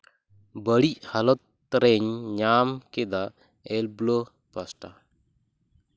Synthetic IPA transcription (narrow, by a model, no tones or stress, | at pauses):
bəɽichalɔt̪̚ | ɾɛɲɲamkɛd̪a | ɛlblo | pasʈa